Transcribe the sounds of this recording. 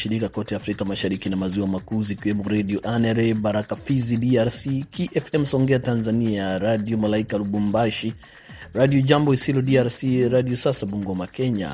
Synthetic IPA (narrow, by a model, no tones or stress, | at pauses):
ʃiɾikakɔtɛafɾikamaʃaɾikinamaziwamakuzikiwɛmɔɾadiɔʔanɛɾɛbaɾakafizidiaɾsikiʔɛfɛm̩sɔŋɡɛatanzaniaɾadiɔmalaikalubumbaʃi | ɾadiɔd͡ʒambɔisilɔdiaɾsiɾadiɔsasaɓuŋɡɔmakɛɲa̰